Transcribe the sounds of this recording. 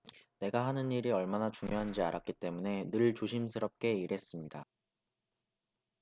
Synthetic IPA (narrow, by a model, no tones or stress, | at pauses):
ne̞ɡaɦanɯniɾiʌɭmanat͡ɕuŋjoɦand͡ʑia̰ɾʔak͈it͈e̞mune̞nɯɭt͡ɕoɕʰimsʰɯɾʌp̚k͈e̞iɾe̞s͈ɯmɲida